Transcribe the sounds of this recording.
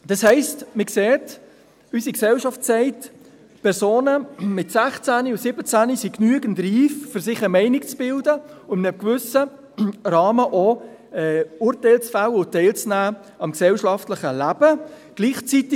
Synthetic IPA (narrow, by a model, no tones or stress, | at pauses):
d̥ɑshɛɪstmɪkseːt | ysiksɛwʃɑftt͡sɛɪt | pʰɛɾsoːnəmɪtsæχt͡sæniusɪbət͡sænisiknyəɡəntriːffʏɾsɪχəmɛɪnɪkt͡sb̥ɪldəʊnɛkvʏsə | ɾɑːməʔo | ɛuːɾtɛɪlt͡sfæləʊtɛɪlt͡snæː | ɑmksɛwʃɑftləχəlæb̥əɡ̥liːχt͡sitɪ